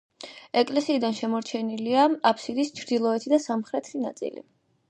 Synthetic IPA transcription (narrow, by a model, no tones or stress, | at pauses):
ɛkʼlɛsiːd̪anʃɛmɔɾt͡ʃʰɛniliaapʰsid̪ist͡ʃʰɾd̪ilˠɔɛt̪ʰid̪asamχɾɛt̪ʰɾina̰t̪sʼḭlḭ